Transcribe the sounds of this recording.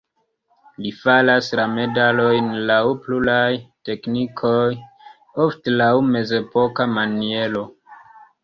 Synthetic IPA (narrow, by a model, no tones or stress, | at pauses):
lifalaslame̞dalo̞jnlawpluɾajte̞knikʰo̞j | oftelawme̞ze̞po̞kamanie̞lo̞